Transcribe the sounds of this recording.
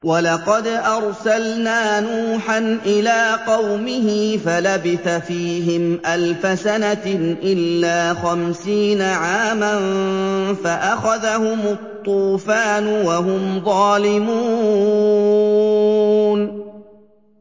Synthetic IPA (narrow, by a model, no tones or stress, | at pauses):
wɑlɑqɑd̪ʔɑɾˤsalnaːnuːħanʔɪlaːqɑwmɪhɪfalabɪθafiːɦɪmʔalfasanaʔɪlːaːxamsiːnaʕaːmanfaʔaxaðahʊmʊt̪ˤːuːfaːnʊwaɦʊmðˤɑːlɪmuː | n